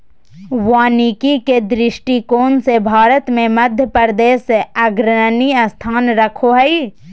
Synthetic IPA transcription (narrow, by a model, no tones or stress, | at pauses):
waːniːkiked̪ɾɪʃʈikoːnsebʱaːɾət̪mẽmɐd̪ʱjəpəɾd̪eːseɐɡɾənəniəst̪ʰaːnɾɐkʰoɦɛi